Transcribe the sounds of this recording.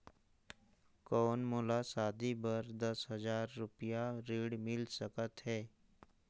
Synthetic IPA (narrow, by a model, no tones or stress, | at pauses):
kɔːnmʊlasaːd̪ibəɾd̪əsɦəzaːɾːʊpijaɾiːɽmɪlsəkət̪ɦɛː